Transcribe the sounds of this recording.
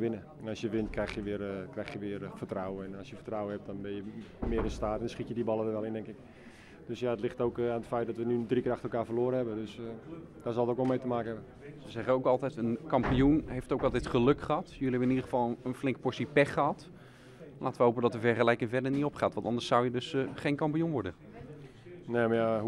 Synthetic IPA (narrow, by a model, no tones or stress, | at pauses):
ʋɪnə | ɛnɑsjəʋɪntkrɛjxjəʋɪərkrɛjxjəʋɪːrfətrawəɛnɑsjəfə̥rtrawəhɛp̚dɔnbɪnjəmɪəɾɪnstaːtɛndɔnsχitjədibɑlˠəʋəʋɛlɪndɛŋkɪk | d̥øsjaətlɪxtoːkaːnətfɛjt̚dɔtʋənydrikəaxtəlˠkaːfəloːɾəɦɛbədøs | dɔsɔlˠətokʋɔlˠmejtəmaːkəɦɛbən | səzɛχəowkɑlˠtɛjtənkɑmpiunɦejftowkɑlˠtɛjtχəløkχəɦɑtjøliɛbənɪnidəχəvɑlˠəənflɪŋkəpɔɹsipɛχəɦɑt | laːtəʋəɦowpədɔtəvɛrχəlɛjkɪŋvɛrdəniopχaːtʋɑntɑndəɹsawjədøsχejnkɑmpijunʋɔɹdə | neːmja